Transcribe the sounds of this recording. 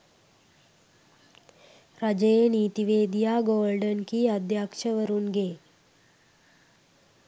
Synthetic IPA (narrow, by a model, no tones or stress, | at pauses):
ɾad͡ʒəjeniːt̪iʋeːd̪ijaːɡoːlɖənkiːad̪jaːkʂəʋəɾunɡe